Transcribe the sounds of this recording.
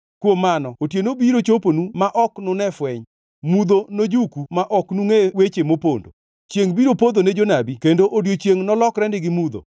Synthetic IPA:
kwomːanɔotjenobiɾot͡ʃoponumaʔɔknʊnɛfwɛɲ | mud̪onod͡ʒukumaʔɔknuŋewet͡ʃemopondo̰ | t͡ʃjeŋbiɾopod̪oned͡ʒonabikendoʔodjot͡ʃjeŋnɔlɔkɾɛndɪɡɪmud̪o̰

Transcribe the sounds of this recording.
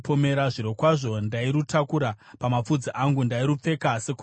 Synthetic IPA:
pome̞ɾaʐiɾo̞kwaʐo̞ndaiɾutakuɾapamap͡fud͡ziʔaŋɡundaiɾup͡fe̞kase̞ku

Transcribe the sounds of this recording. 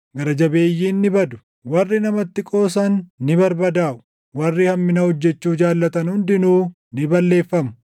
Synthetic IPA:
ɡɐɾɐd͡ʒɐbe̞ːjːiːnːɪbɐd̪ʊ̥ | wɐrːɪnɐmɐt̪ːɪkʼo̞ːsɐnːɪbɐɾbɐd̪aːʔʊ̥ | wɐrːɪhɐmːɪnɐhɔd͡ʒːɛt͡ʃːuːd͡ʒaːlːɐt̪ɐnhʊnd̪ɪnuː | nɪbɐlːe̞ːfːɐmʊ̥

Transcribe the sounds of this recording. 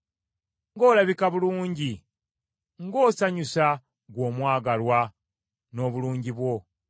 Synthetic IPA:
ŋɡo̞ːlaβikaβuluːɲɟi | ŋɡo̞ːsaɲusa | ɡwo̞ːmwaːɡalwa | no̞ːβuluːɲɟiβwo̞

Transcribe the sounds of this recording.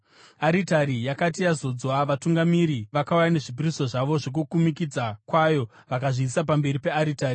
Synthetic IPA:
aɾitaɾijakat̬ijazo̞d͡zwaʋatuŋɡamiɾiʋakaujane̞ʐibʱiriso̞ʐaʋo̞ʐok̬ukumikid͡zakwajo̞ | ʋakaʐiːsap̬ambe̞ɾipe̞aɾitaːri

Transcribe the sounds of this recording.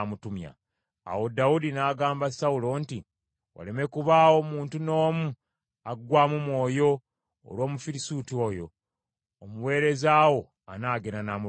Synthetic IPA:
mutumja̰ | a̰wo̞daudinaːɡaːmbasawulo̞nti | wa̰le̞me̞kuβaːwo̞muːntuno̞ːmu | aɡwaːmumwo̞ːjo̞̰ː | lwo̞ːmufiɾisuːtio̞ːjo̞̰ː | muwe̞ːɾe̞zaːwo̞ | anaːɡeɾanamu

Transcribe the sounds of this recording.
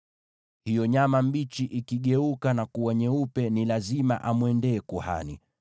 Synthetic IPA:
hijɔɲamambit͡ʃiʔikiɠɛukanakuwaɲɛupɛnilazima̰ʔamwɛndɛːkuha̰nḭ

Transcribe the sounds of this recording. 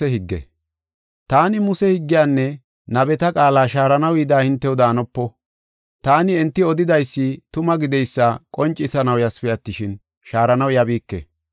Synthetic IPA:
ɛhɪɡːɛ̰ | t̪aːnɪmʊsɛhɪɡːɪjaːnːɛ | nɐbɛt̪ɐkʼaːlaːʃaːɾɐnɐwiːd̪aːhɪnt̪ːɛwʊd̪aːnɔpːɔ | t̪aːnɪɛnt̪ːɪɔd̪ɪd̪ɐjsːɪt̪ʊmɐɡɪd̪ɛjsːakʼɔnt͡ʃʼːɪsɐnɐwjɐspɪjɐt̪ːɪʃɪn | ʃaːɾɐnɐwjɐbiːkːɛ̰

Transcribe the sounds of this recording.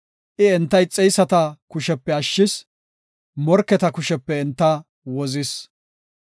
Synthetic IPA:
ʔɪɛnt̪ːɐjt͡sʼɛjsɐt̪ɐkʊʃɛpːɛɐʃːɪs | mɔɾkːɛt̪ɐkʊʃɛpːɛɛnt̪ːɐ | wɔzɪs

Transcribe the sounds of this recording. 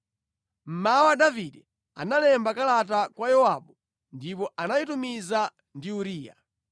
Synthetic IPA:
m̩mawaɗaviɗɛ | a̰nalɛmbakalat̬akwajɔwaɓu | ndip̬ɔʔanajitumiza | ndiuɾiːja̰

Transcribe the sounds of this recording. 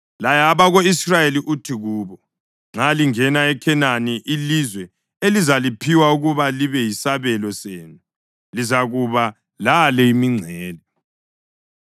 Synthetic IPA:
lajaβaɣoisrajeliʔutʰiɣuːβɔ | ŋ͡ǁʱaliŋɛnaɛkʰɛnaniʔilizwɛ | elizalipʰiwauɣuβaliβɛjisaβɛlɔseːnu | lizaɣuβa | lalɛimiŋ͡ǀʱɛːli

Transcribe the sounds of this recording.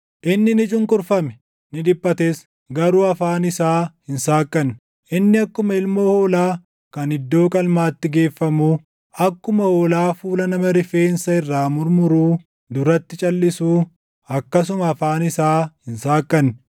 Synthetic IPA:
ʔɪnːɪnɪt͡ʃʼʊŋkʼʊɾfɐmɛ̥ | nɪᶑ̪ɪpʼːɐt̪eːs | ɡɐɾuːɐfaːnɪsaːhɪnsaːkːɐnː | ʔɪnːɪɐkːʊmɐɪlmo̞ːhoːlaː | kɐnɪd̪ːo̞ːkʼɐlmaːt̪ːɪɡe̞ːfːɐmuː | ɐkːʊmɐhoːlaːfuːlɐnɐmɐɾɪfeːnsɐɪrːaːmʊɾmʊɾuː | d̪ʊɾɐt̪ːɪt͡ʃʼɐlːɪsuː | ɐkːɐs̬ʊmɐːfaːnɪsaːhɪnsaːkʼːɐnː

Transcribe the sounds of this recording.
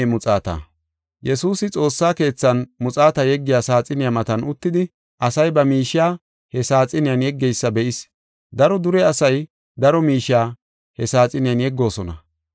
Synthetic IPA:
mʊt͡sʼaːt̪a̰ː | jɛsuːsɪt͡sʼo̞ːsːaːke̞ːt͡sːɐnmʊt͡sʼaːt̪ɐjɛɡːɪjaːsaːt͡sʼɪnɪjamɐt̪ɐnʊt̪ːɪd̪ɪ | ʔɐsɐjbɐmiːʃɪaː | hɛsaːt͡sʼɪnɪjɐnjɛɡːɛjsːɐbɛʔɪs | d̪ɐɾɔd̪ʊɾɛɐsɐj | d̪ɐɾɔmiːʃːaː | hɛsaːt͡sʼɪnɪjanjɛɡːo̞ːsɔnɐ

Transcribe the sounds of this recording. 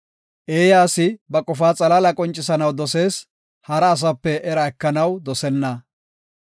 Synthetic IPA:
ʔe̞ːjaːsɪbɐkʼɔfaːt͡sʼɐlalɐkʼɔnt͡ʃʼːɪsɐnɐwd̪ɔse̞ːs | hɐɾɐːs̬ɐpːɛʔɛɾɐɛkːɐnɐwd̪ɔsɛnːɐ

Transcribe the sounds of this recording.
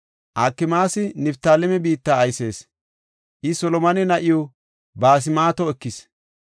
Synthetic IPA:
ʔakːɪmaːsɪnɪpt̪aːlɛmɛbiːt̪ːaːɐjse̞ːs | ʔɪsɔlɔmɐnɛnɐʔɪjo | baːs̬ɪmaːt̪ɔɛkːɪs

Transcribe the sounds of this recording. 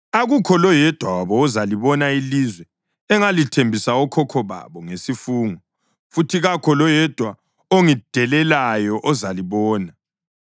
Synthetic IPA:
aɣukʰɔlɔjɛd̥ʱwawaβɔːzaliβɔnailizwɛ | ɛŋalitʰembʱisaɔkʰɔkʰɔβa̰βɔŋesifuːŋɔ | futʰiɣakʰɔlɔjɛd̥ʱwa | oŋid̥ʱɛlɛlajɔʔɔzaliβɔːna

